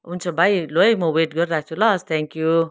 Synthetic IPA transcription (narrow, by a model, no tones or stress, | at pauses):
ɦunt͡sʰʌbʱajlojmʌweʈɡʌɾiɾak̚t͡sʰulʌst̪ʰɛ̃ŋkju